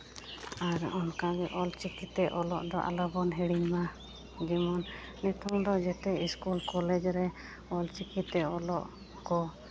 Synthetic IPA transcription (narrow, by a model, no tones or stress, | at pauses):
aɾɔnkaɡɛʔɔlt͡ʃikit̪ɛʔɔlɔʔd̪ɔʔa̰ləbɔnɦɛɽiɲma | d͡ʒimɔnːɛt̪ʰɔŋd̪ɔd͡ʒɛt̪ɛiskulkɔlɛd͡ʒɾɛ | ɔlt͡ʃikit̪ɛɔlɔʔ | kɔ